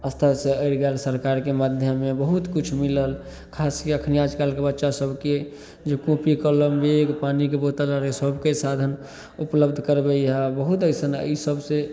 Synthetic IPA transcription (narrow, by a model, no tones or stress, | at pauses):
əst̪ʰəseəɪɾɡɛlsəɾkaɾkemad̪ʱjəmebəɦut̪kit͡ʃʰmiləl | kʰaskeəkʰniad͡ʒkalkebətːʃasəbke | d͡ʒekũpikələmbeɡpanikebot̪əlaɾesəbkesad̪ʱən | upləbd̪ʱkəɾbeabəɦut̪əjsənə̰isəbʱse